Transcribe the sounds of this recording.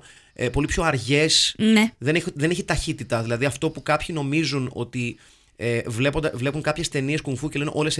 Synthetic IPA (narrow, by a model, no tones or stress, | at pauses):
po̞lipço̞ɐɾʝe̞sneðe̞neðe̞ne̞çit̪ɐçit̪it̪ɐðilɐðiɐft̪o̞pukɐpçino̞mizuno̞̰t̪i | evlepod̪ɐvle̞puŋkɐpçe̞st̪e̞nieskuɱfuce̞lenʔo̞le̞s